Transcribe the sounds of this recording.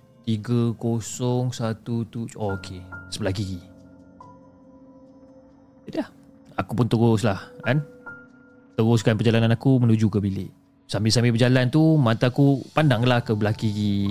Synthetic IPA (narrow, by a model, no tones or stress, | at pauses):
t̪iɡəkosɔŋsat̪ut̪ut͡ʃokʰesəbəlak̬iɡi | d͡ʒadilah | akupʊnt̪əɣʊslahkan | t̪əɣʊskanpərd͡ʒalananakumə̃nud͡ʒukəbilɪʔ | sambisambipəd͡ʒalant̪umãnt̪aːkupandaŋlahkəbəlakiɡi